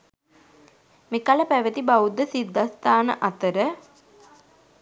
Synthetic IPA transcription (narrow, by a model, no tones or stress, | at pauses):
mekaləpæʋət̪ibaud̪ːəsid̪ːast̪aːnə̰ʔat̪əɾə